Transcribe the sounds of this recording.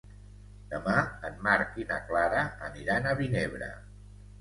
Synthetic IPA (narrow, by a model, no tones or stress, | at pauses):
d̪̥əmaənmaɾkinə̰klaɾəəniɾanəβineβ̞ɾə̰